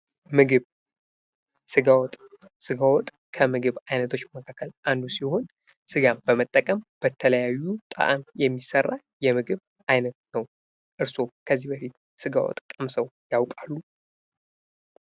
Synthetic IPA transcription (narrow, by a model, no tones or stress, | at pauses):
mɨɡɨβ | sɨɡawɔt̪ʼ | sɨɡawɔt̪ʼ | kʰəmɨɡɨβajnət̪ʰo̞t͡ʃːməkʰakʰːəlʔand̪usiho̞n | sɨɡambəmət̪ʼːəkʼəmb̥ət̪ʰələjajːut̪ʼə̰ʔa̰mjɛmːisərːa | jɛmɨɡɨβ | ʔajnət̪̚nəw | ʔɨɾso̞kʰəzːihbəfit̪ | sɨɡa̰wɔ̰t̪ʼkʼəmsəwjawkʼalːu